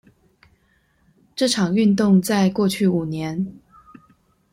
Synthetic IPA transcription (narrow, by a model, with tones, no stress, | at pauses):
ʈ͡ʂɤ˥˩ʈ͡ʂʰɑ˨˩ŋy˥˧nt̪ʊ˥˧ŋt͡sa˥˧ɪkwɔ˥˧t͡ɕʰy˥˩u˨˩njɛ˧˥n